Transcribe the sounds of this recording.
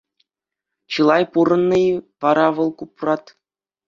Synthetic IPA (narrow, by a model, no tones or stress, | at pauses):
t͡ɕɯlˠɑjpuɾɤ̆nːɤ̆jʋɑɾɑʋɤ̆lˠkuprɑt̪